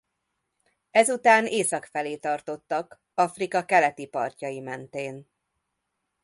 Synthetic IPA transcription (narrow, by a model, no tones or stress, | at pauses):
ɛzut̪aːneːsɒkfɛleːt̪ɒrt̪o̞t̪ːɒk | ɒfrikɒkɛlɛt̪ipɒ̰rcɒjimɛnt̪eːn